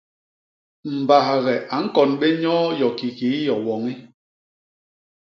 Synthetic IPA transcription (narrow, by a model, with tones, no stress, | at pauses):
m̩˨ba˨ha˨ɣɛ˨ʔa˨ŋ̩˦kɔ˨nɓe˦ɲɔ˦jɔ˨ki˨ki˨˦jɔ˨wɔ˨ŋi˦